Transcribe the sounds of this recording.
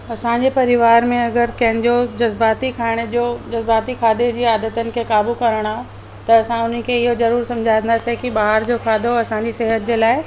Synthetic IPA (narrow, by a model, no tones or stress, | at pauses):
ɐsãɲd͡ʑepɐɾɪʋaːɾmẽɐɡəɾkɐ̃ɦɪ̃d͡ʑod͡ʑɐzbaːt̪ikʰaːɪɽ̃d͡ʑod͡ʑɐzbaːt̪ikʰaːd̪ed͡ʑiːaːd̪ət̪ənɪ̆kʰeːkaːbukɐɾəɽ̃aː | t̪ɐːsãʊn̤ən̆kʰeɪɦozɐɾuːɾsɐ̃md͡ʑʱaːnd̪asekibaːɦəɾd͡ʑokʰaːd̪ʱoɐsãɲd͡ʑiseɦət̪d͡ʑeːlaːɪ